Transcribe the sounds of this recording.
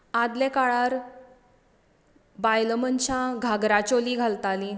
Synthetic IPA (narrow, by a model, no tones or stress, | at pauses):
ad̪lekaɭaɾ | bajləmənt͡ɕãɡʱaɡɾat͡ɕoliːɡʱalt̪ali